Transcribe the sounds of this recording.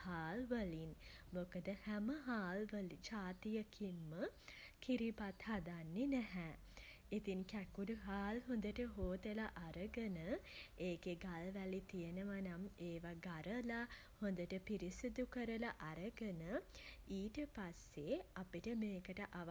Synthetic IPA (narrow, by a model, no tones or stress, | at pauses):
haːlʋəlinmokəd̪əhæməɦaːlʋəlid͡ʒaːt̪ijəkʰimːəkʰiɾipat̪had̪anːenæɦɛ | it̪iŋkækuɾuɦaːlɦond̪əʈəɦoːt̪əlaʔaɾəɡənəeːkeɡalʋælit̪ijenəʋanameːʋaɡaɾəla | hond̪əʈəpiɾisid̪ukəɾəlaʔaɾəɡənəiːʈəpasːeapiʈəmeːkəʈəʔaʋ